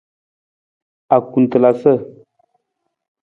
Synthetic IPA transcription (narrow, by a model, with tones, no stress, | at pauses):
a˨ku˨n˨t̪ə˨la˨sə˦˨